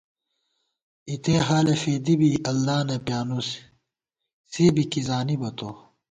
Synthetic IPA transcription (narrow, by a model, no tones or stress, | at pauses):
it̪eːɦaːlefeːd̪ibiɐlːaːnɐpjaːnus | seːbikizaːnibɐt̪o